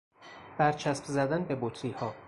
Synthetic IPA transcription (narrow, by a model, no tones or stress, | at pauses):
b̥æɾt͡ʃʰæsbzæd̪ænbe̞bot̪ʰɾiːhɒː